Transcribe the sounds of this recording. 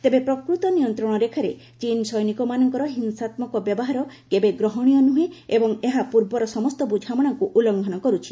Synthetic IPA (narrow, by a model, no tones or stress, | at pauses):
t̪ebepɾɔkɾut̪ɔnijɔnt̪ɾɔɽ̃ɔɾekʰaɾe | t͡ʃinsɔjnikɔmanɔŋkɔɾɔɦinsat̪mɔkɔbjɔbɔɦaɾɔkebeɡɾɔɦɔɽ̃ijɔnuɦeebɔŋeɦapuɾbɔɾɔsɔmɔst̪ɔbud͡ʒʱamɔɽ̃ɔŋkuʔulɔŋɡʱɔnɔkɔɾut͡ʃʰi̥